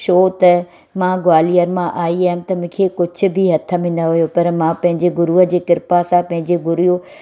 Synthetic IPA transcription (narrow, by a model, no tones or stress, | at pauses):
ʃoːt̪ɐ | mãːɡwaːlijəɾmãʔaːiaːɦɪʊ̃m̆t̪ɐmʊ̃ːkʰekʊd͡ʑʱʊ̆bʱɪɦɐt̪ʰə̆mẽnɐɦʊjopɐɾmãpɐ̃ɦɪ̃ɲd͡ʑeɡʊɾuə̆d͡ʑeːkɪɾpasãpɐ̃ɦɪ̃ɲd͡ʑeɡʊɾujo